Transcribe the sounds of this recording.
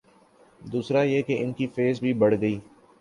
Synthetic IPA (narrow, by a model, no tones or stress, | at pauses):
d̪uːsɾajekeʔɪnkifeːzbʱibɐɽɡɐiː